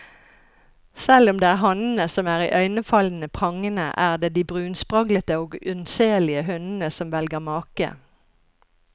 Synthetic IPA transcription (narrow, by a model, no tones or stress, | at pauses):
sɛlʊmd̪eːæːʁɦɑnn̩əsɔmæːʁḭːʔœʏnəfɑln̩əpʰʁɑŋənə̰ʔæːʁd̪eːd̪iːbʁʉːnspʁɑɡlət̪əoːɡʉnseːlɪəhʉnn̩əsɔmʋɛlɡəʁmɑːkə̰